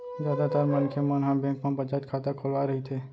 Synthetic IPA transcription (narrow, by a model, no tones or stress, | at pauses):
d̪ad̪at̪aɾmənkʰemənɦãbɛ̃ŋkmãpət͡ʃat̪kʰat̪akʰolʋaɾəɦit̪ʰe